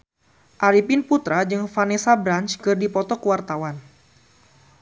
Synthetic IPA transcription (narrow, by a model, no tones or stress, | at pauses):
ʔaɾipinput̪ɾad͡ʒɨŋfanesabɾant͡ʃkɨrdipɔt̪ɔkəwart̪awan